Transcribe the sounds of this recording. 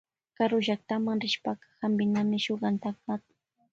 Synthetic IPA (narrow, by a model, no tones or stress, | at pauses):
kaɾʊʒak̚t̪amaŋɾɪʃpakɑ̥hambɪnamɪʃoɢɑnt̪akatʊ̥